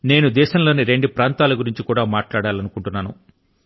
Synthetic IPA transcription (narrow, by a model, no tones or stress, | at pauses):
ne̞ːnud̪ɛːʃɐmlo̞ːniɾe̞ɳɖupɾaːnt̪aːlɐɡuɾiɲt͡ʃikuːɽaːmaːʈlaːɽaːlɐnukuɳʈunːaːnṵ